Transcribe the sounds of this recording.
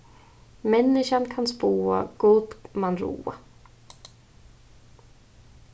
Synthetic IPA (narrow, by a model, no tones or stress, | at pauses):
mɛnːɪʃankʰanspuːa̰ɡuːt̪manɾṵːa̰